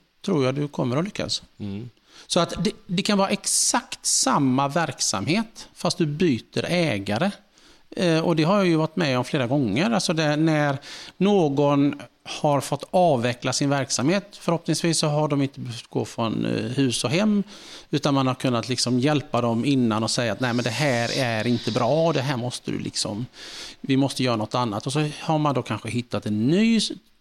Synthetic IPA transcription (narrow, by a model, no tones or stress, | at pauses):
t̪ʰɾuːɾjaːd̪ɵkʰɔmːəɾɔlʏkʰːa̰s | sɔat̪d̪ɛd̪ɛkʰanvɑːɾaɛksakt̪samːavæɾksa̰mheːt̪fast̪̚d̪ɵbyːt̪ə̰ɾɛːɡaɾə | ɔd̪ɛɦaɾjajɵvaʈːmɛɔmfleːɾaɡɔŋːəɾalsɔd̪ɛnæɾnoːɡɔnhaɾfɔt̪ːɑːvːɛklasɪnvæɾksamheːt̪fœɾhɔpnɪŋsviːsːɔɦaɖɔmɪnt̪əbœœft̪ɡ̥o̰ːfɾɔnhʉ̟ːsɔɦɛmːʉ̟ːt̪anmanhaɾkʰɵnːat̪lɪksɔmjɛlpad̪ɔmɪnːanɔsɛjːaːt̪næɪmɛnd̪ɛɦæːɾæɾɪnt̪əbɾɑːɔd̪ɛɦæːɾmɔst̪əd̪ɵ̰lɪ̰ksɔ̰mvɪmɔst̪əjœːɾanɔt̪ːanːat̪ɔsɔhaɾmand̪oːkʰanɧəɦɪt̪ːat̪ɛnːyː